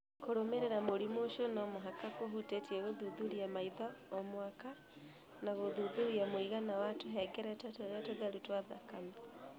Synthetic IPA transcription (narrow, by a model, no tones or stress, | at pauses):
koɾomeɾeɾamoɾimoʃonɔmoɦakakoɦutetiɛɣoðuðuɾiamaiðɔɔmwaka | naɣoðuðuɾiamoiɣanawatoɦɛɡɛɾɛtatɾatoðaɾutwaðakami